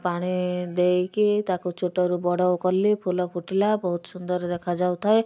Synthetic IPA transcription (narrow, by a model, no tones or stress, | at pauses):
paɽ̃id̪ejkit̪akut͡ʃʰoʈɔɾubɔɽɔwkɔlːipʰulɔpʰuʈilabɔɦut̪ɔ̥sund̪ɔɾɔd̪ekʰad͡ʒawt̪ʰae